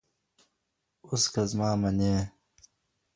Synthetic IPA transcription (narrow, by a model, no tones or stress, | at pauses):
uskɐzmaːmɐneː